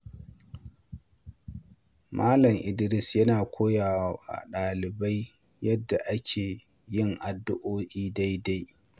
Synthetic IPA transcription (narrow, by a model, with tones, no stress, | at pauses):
mʔaː˦lɐ˨ŋʔɪ˨dɪ˦ɾɪ˦sjɐ˦naː˨kʷoː˦jaː˨wa˦ʔa̰˨ɗaː˨lɪ˨ba˦j | jɐ˦dːa˨ʔa˦kʲʰeː˨ | jɪ˦˨ŋʔa˨dːʊ˦ʔoː˦ʔiː˦da˦jda˦j